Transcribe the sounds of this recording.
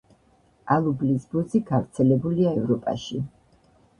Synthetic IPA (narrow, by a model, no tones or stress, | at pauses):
alˠublisbɔziɡavɾt̪sʰɛlɛbuliaɛvɾɔpʼa̰ʃi